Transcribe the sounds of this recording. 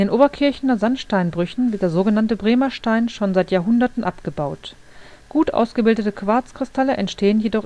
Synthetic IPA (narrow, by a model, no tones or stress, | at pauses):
ʔndeːnʔoːbɐkʰɪɐçn̩dɐzanʃtaɪnbʁʏçn̩vɪɐt̚d̥eːɐzoːɡənantəbʁeːmɐʃtaɪnʃoːnzaɪtjaːɐɦʊndɐtn̩ʔapɡ̥əbaʊt | ɡ̥uːtʔa̰ʊsɡ̥əbɪldətəkv̥aɐt͡skʁ̥ɪstʰaləʔɛntʃtʰeːənjedɔχ